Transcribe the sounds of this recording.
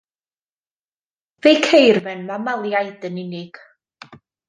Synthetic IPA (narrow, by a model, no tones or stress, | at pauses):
vejkʰejrmɛnmamalˠjajdənɪnɪɡ̥